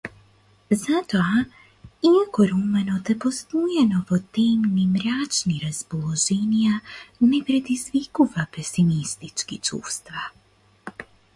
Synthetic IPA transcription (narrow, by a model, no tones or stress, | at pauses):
zat̪oa | iakɔɾumɛnɔt̪ɛpɔst̪ujɛnɔvɔt̪ɛmnimɾat͡ʃniɾaspɔlˠɔʒɛnijanɛpɾɛd̪izvikuvapɛsimist̪it͡ʃkit͡ʃṵst̪va